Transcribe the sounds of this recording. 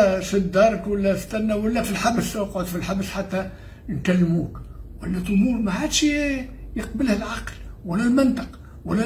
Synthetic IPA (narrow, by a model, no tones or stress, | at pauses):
fid̪ːɑːɾˤəkwalːæst̪ænːæwalːæfilħabsɑqʕod̪filħabsħat̪ːæ | nkælːmuːkwalːæt̪ʔʊmuːɾˤmaʕad̪ʃijəqbɪlhælʕaqlwalːælmɪnt̪ɑ̥q | walːæ